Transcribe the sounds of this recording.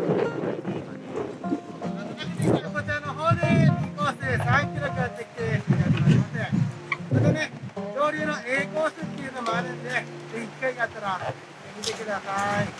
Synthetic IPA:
at̪ok̪aɕinʲikaɾokotanoɦoːd̪eɲʲiŋkoːsesãŋkʲiɾokɯat̪ːekʲi̥t̪eak̪onaɾʲimasẽ | et̪one̞jʲo̞ːɾʲɯːno̞ʔe̞ːko̞ːsɨt̪ːeɯːnomoad̪esɨnezeiki̥kːaiɡat̪ːaɾa | emʲit̪e̞kɯ̟d̪asai

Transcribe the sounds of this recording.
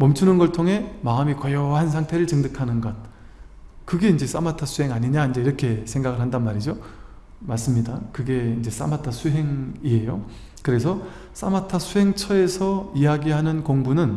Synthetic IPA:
mʌmt͡ɕʰunɯnɡʌɭtʰoŋɦe̞maɯmikʌjʌhansʰaŋtʰe̞ɾɯɭt͡ɕɯŋdɯkʰanɯnɡʌt̚ | kɯɡe̞ind͡ʑe̞s͈a̰matʰasʰuɦe̞ŋaɲiɲaind͡ʑe̞iɾʌkʰe̞sʰeŋɡaɡɯɭɦandanmaɾid͡ʑo | maɭs͈ɯmɲidakɯɡe̞ind͡ʑe̞s͈a̰matʰasʰuɦe̞ŋie̞jo | kɯɾe̞sʰʌ | s͈a̰matʰasʰuɦe̞ŋt͡ɕʰʌe̞sʰʌijaɡiɦanɯnkoŋbunɯn

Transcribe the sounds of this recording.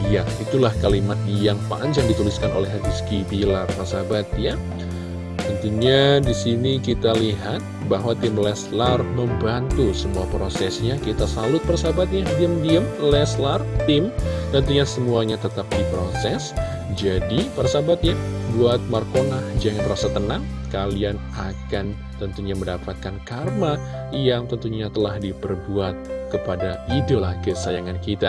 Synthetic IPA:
jait̪ulahkalimat̪̚jaŋpa̰ʔːɲd͡ʒaŋdit̪uliskanʔo̰lɛɦaɡiskibilarpərsabat̪̚ja | ənt̪iɲadisinikit̪aliɦat̪̚baɦwat̪ɪmlɛslarməmbant̪usəmuapɾosɛsɲakit̪asalʊt̪̚pərsabat̪̚jadiəmdiəmlɛslart̪ɪmt̪ənt̪uɲasəmuaɲat̪ət̪ap̚dipɾosɛs | d͡ʒadipərsabat̪̚ɲabuat̪̚markonahd͡ʒaŋanɾasat̪ːənaŋ | kalian | akan | t̪ənt̪uɲaməndapat̪̚kankarma | jaŋt̪ənt̪uɲat̪əlahdipərbuat̪̚kəpadaidəlahkəsajaŋankit̪a

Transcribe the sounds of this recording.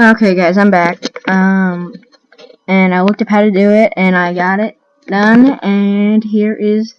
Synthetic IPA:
oʊkʰeɪɡaɪzãɪ̃mbæk̚ʌ̃m | ɨ̃naɪwʌk̚tɨpʰaʊɾɨtɨɪɾɨ̃naɪɡɑɾɪt̚ | d̥ʌ̃nɨ̃nɦiɹʔɪz̥

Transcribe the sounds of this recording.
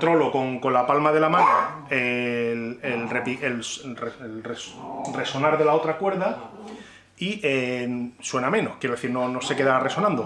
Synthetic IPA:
t̪ɾo̞lo̞ko̞ŋko̞nlapalmaðe̞lamanoelelrepielsreelresre̞so̞naɾðe̞lao̞t̪ɾakwe̞ɾða | ieswe̞namẽ̞nohkjeɾe̞θiɾno̞no̞se̞ke̞ðare̞so̞nãnd̪o

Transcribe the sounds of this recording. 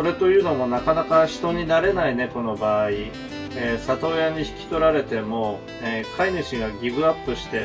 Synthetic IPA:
o̞ɾe̞t̪o̞jɯ̟ːno̞mo̞nakanakaɕi̥t̪o̞ɲ̟inaɾe̞naine̞ko̞no̞baːi | eːsat̪o̞ːjaɲ̟içi̥kʲi̥t̪o̞ɾaɾe̞t̪e̞mo̞ | eːkainɯɕiɡaɡʲiɡɯ̟apːɯ̟ɕi̥t̪e̞

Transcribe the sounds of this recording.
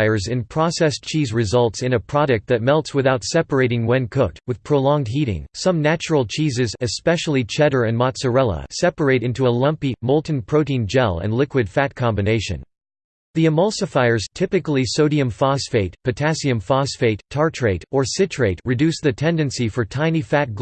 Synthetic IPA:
ɪə˞zɨ̃npʰɹ̥ɑsɛst͡ʃʰizɹɨzʌlˠtsɨ̃nɨpʰɹ̥ɑɾɨk̚t̪̚ðɨt̚mɛlˠtswɨθaʊtsɛpə˞eɪɾɪ̃ŋwɛ̃nkʰʊtwɨð̥pʰɹ̥olɔ̃ŋd̚ɦiɾɪ̰̃ŋsʌ̃mnæt͡ʃəɹl̩ˠt͡ʃʰizɨzɨspɛʃl̩ˠit͡ʃʰɛɾə˞ɨ̃nmɑtsə˞ɛlˠə̰sɛpə˞eɪɾɪ̃ntuəlʌ̃mpimoʊlˠʔn̩pʰɹ̥oʊɾĩnd͡ʒɛ̰lˠɨ̰̃nlɪkwɨd̥fæt̚kʰɑ̃mbɨneɪʃɨ̰̃n | ðiɨmʌlˠsɨfaɪə˞z̥tʰɪpɨklˠisoʊɾiɨ̃ɱfɑsfeɪt̚pʰɨtʰæsiɨ̃ɱfɑsfeɪtʰːɑɹtʰɹ̥eɪɾə˞sɪtʰɹ̥eɪt̚ɹɨdʉsðɨtʰɛ̃ndɨ̃nsifə˞tʰãɪ̃nifæt̚ɡ̥

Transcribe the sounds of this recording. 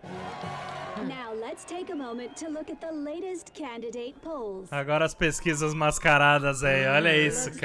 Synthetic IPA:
naʊlətstʰeɪkəmõʊ̃mɨ̃ntʰɨlʊkɨt̪̚ðəleɪɾɨskʰæ̃ndɨdeɪt̚pʰoʊlˠz̥aɡɔɾɐɐspeskizɐzmaskaɾad̪ɐzaiɔʎɐisʊk

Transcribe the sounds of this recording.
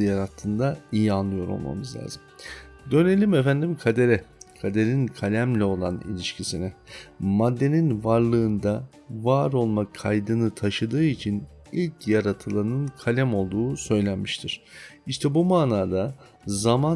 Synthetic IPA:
ɯjaɾat̪ʰːɯːnd̪aijianlˠɯjo̞ɾo̞̰lˠma̰mɯzlʲa̰ːzɯm | d̪ø̞ne̞lʲimefænd̪imkʰad̪e̞ɾɛkʰad̪e̞ɾinkʰalʲæmlʲɛo̞lˠanḭlʲiʃcʰisinɛmad̪ːe̞ninvaɾlˠɯːnd̪a | vaːɾo̞lˠmakʰajd̪ɯnɯt̪ʰaʃɯd̪ɯːit͡ʃʰin | ilʲcʰjaɾat̪ʰɯlˠanɯnkʰalʲæmo̞lˠd̪uːsø̞jlʲænmiʃt̪ʰiɾ̥iʃt̪ʰɛbumaːnaːd̪a | zama

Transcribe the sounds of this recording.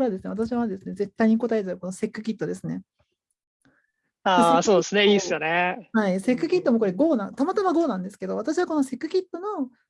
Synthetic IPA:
ɾad̪esɨne̞βat̪aɕ̬iβad̪e̞sɨne̞ze̞t̪ːaiɲ̟iko̞t̪ae̞zɨɾɯko̞no̞se̞kːɯ̟kʲit̪ːo̞d̪e̞sɨne̞ | aːso̞ːd̪esɨne̞iːsɨjo̞nehaise̞kːɯ̟kʲit̪ːomo̞k̬o̞ɾe̞ɡo̞ːnãnt̪amat̪amaɡo̞ːnãnd̪e̞sɨ̥ke̞d̪o̞β̞at̪aɕiβako̞no̞se̞kɯ̟kʲit̪ːo̞no̞

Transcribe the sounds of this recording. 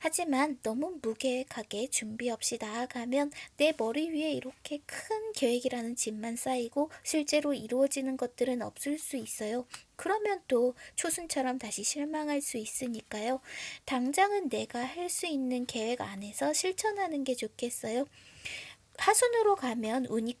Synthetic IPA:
had͡ʑimanːʌmumuɡe̞kʰaɡe̞t͡ɕumbiʌp̚ɕ͈idakamjʌnːe̞mʌɾiɥiɦe̞iɾʌkʰe̞kʰɯnke̞we̞ɡiɾanɯnt͡ɕimːans͈aiɡoɕʰiɭt͡ɕ͈e̞ɾoiɾuʌd͡ʑinɯnɡʌt̚t͈ɯɾɯnʌ̰p̚s͈ɯɭs͈uis͈ʌjokɯɾʌmjʌnt͈ot͡ɕʰosʰunt͡ɕʰʌɾʌmtaɕʰiɕʰiɭmaŋɦaɭs͈uis͈ɯɲik͈ajotaŋd͡ʑaŋɯnːe̞ɡahaɭs͈uinːɯnke̞we̞ɡane̞sʰʌɕʰiɭt͡ɕʰʌnɦanɯnɡe̞t͡ɕokʰe̞s͈ʌjo | hasʰunɯɾokamjʌnuɲi

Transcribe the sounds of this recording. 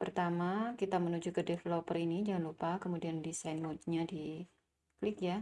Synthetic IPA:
pərt̪amakit̪amənud͡ʒukədefelopərinid͡ʒaŋanlupakəmudiandisajnmot̪ɲadi | klɪk̚ja

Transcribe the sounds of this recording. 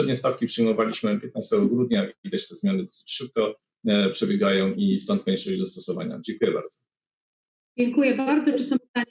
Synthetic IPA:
ɛd̪̚ɲɛst̪afkʲipʂɘjmɔvalʲiɕmɘpʲjɛt̪̚nast̪ɛɡɔɡɾud̪ɲaʔivʲid̪at͡ɕt̪ɛzmʲjanɘd̪ɔsɘ̥t͡ɕʂɘp̚kɔ | pʂɛbʲjɛɡajɔ̃w̃ʔist̪ɔnt̪̚kɔɲɛʂɔʑd̪ɔst̪ɔsɔva̰ɲa̰d͡ʑɛŋkujɛba̰ɾd̪z̥ɔ | d͡ʑɛŋkujɛbaɾd̪zɔt͡ʂɨsɔ̃pt̪a

